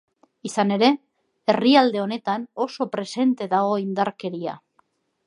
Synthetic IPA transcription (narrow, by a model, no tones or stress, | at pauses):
isane̞ɾe̞ | e̞riald̪e̞o̞ne̞t̪ano̞so̞pɾe̞se̞nt̪e̞ðaɣ̞o̞ind̪aɾke̞ɾia̰